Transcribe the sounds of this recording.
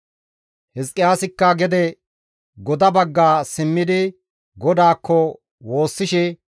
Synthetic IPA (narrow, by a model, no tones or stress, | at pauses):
hɛskʼːɪjaːsɪkːɐɡɛd̪ɛ | ɡɔd̪ɐbɐɡːaːsɪmːɪd̪ɪ | ɡɔd̪aːkːɔ | wo̞ːsːɪʃɛ